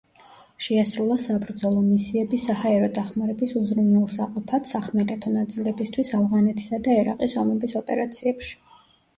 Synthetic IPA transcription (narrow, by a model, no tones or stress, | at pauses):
ʃɛasɾulˠasabɾd̪zɔlˠɔmisiɛbisahaɛɾɔd̪aχmaɾɛbisuzɾumnɛlˠsaqʼɔpʰat̪saχmɛɾʼɛt̪ʰɔnat̪sʼilɛbist̪ʰwisavʁanɛt̪ʰi̥sad̪aɛɾa̰qʼisɔmɛbisɔpʼɛɾat̪sʰiɛpʃi̥